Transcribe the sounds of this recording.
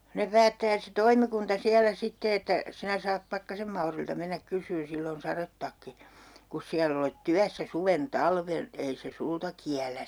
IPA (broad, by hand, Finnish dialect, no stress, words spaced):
ne pæːtːæː se toimikuntɑ siælæ sitːe etːæ sinæ sɑːp pɑkːɑsem mɑuriltɑ menːæk kysˑyːn silː on sɑretːɑkːi kus siælː olet tyæsːæ suʋen tɑlʋen ei se sultɑ kiælæs